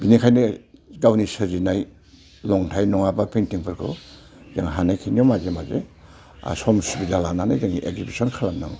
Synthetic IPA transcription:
binikʰajneɡawnisɯzinaj | lɔŋtʰajnɔŋabapʰentiŋpʰɯɾkʰɯ̰ | zaŋɦanajkʰinijɔmazemazḛ | a̰sɔmsubizalanana̰jzaŋiʔeɡzibisɔnkʰalamnaŋ

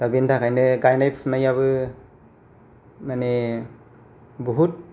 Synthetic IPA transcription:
d̥abintʰakajneɡajnajpsʰnajaβɯ | mane | buɦut̚

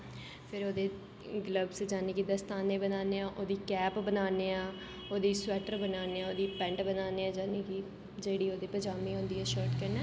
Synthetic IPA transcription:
pʰɪɾoːd̪eː | ɡləbsd͡ʒaːneːkid̪əst̪aːnẽːbənaːneːãːʔoːd̪iːkɛːpbənaːneːãː | oːd̪iːsʊwɛːʈəɾbənaːneːaːoːd̪iːpɛ̃ːɳʈbənaːneːãːd͡ʒaːneːkiː | d͡ʒeːɽiːoːd̪eːpəd͡ʒaːmĩːɦʊ̃nd̪iːɦɛːʃɔːɾʈkəɾnɛː

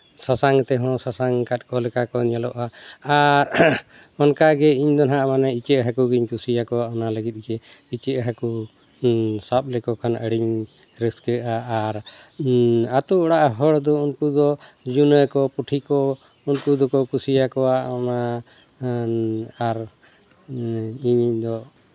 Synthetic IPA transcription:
sasaŋt̪ɛɦɔ̃sasaŋkat̪̚kɔlɛkakɔɲalɔʔaː | ɾ | ɔnkaɡɛiɲd̪ɔnɦaʔmanɛit͡ʃəʔɦakuɡiɲkusijakɔwaʔɔnaləɡit̪̚ˀɡɛ | it͡ʃəʔɦaku | sap̚lɛkɔkʰanə̰ɽiɲ | ɾəskəʔaːɾ | at̪uɔɽaʔaɦəɽd̪ɔunkud̪ɔd͡ʒunəkɔpuʈʰikɔ | unkud̪ɔkɔkusijakɔaɔna | aɾ | iɲiɲd̪ɔ

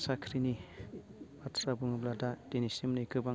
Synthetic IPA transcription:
sakʰɾini | batʰɾabuŋɯbladad̥enisimnɯkɯba

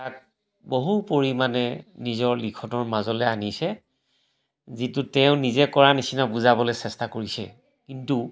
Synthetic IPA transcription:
tak̚ | boɦupoɹimanɛnizɔɹlikʰɔnɔɹmazɔlɛanisɛ | zitutɛʊ̃nizɛkɔɹanisinabuzabɔlɛsɛstakoɹisɛ̰ | kintu

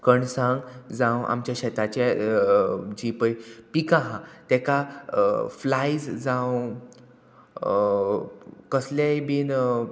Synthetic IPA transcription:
kəɳsãŋɡd͡zãwa̰mt͡ɕjaɕɛt̪at͡ɕa | d͡ʑipəjpikãɦãt̪ɛka | flajd͡zd͡zãw | kəslajbin

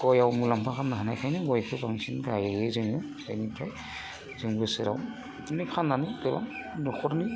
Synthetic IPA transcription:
ɡ̥ɔjawmulampʰakʰannːaɦanajkʰajnɯɡɔjkʰɯbaŋsinɡajezɯŋɯ | a̰jnikʰaj | zɯŋbɯsɯɾa̰w | nɯkʰanːanɯdɯba̰mnɔkʰɔɾni

